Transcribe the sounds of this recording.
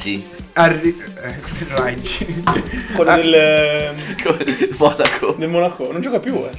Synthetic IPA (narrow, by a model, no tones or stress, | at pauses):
si | ari | eat͡ʃinkolːod̪el | koemɔnakʰod̪elmonakonõnd͡ʒɔːkapjuɛ